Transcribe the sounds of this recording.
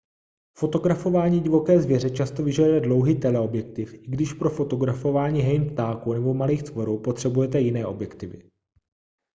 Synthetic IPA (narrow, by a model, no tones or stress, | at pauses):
fo̞t̪o̞ɡɾafo̞vaːɲiːɟɪvo̞kɛːzvjɛɾɛt͡ʃast̪ovɪʒɛdujɛdlo̞wɦiːt̪ɛlɛo̞bjɛk̚t̪ɪfɪɡdɪʃpɾo̞fo̞t̪o̞ɡɾafo̞vaːɲiːɦɛjnpt̪aːkunɛbo̞maliːxt̪vo̞ɾuːpo̞t̪r̝̥ɛbujɛt̪ɛjɪnɛːʔo̞bjɛkt̪ɪvɪ̰